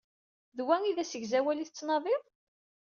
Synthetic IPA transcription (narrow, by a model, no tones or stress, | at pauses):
ðwæŋiðæsəʝzæwæliθət͡sːnɑðˤiðˤ